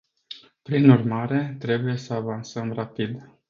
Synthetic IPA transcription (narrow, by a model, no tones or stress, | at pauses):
pɾinurmaɾe̞t̪ɾe̞buje̞səavansəmrapid̪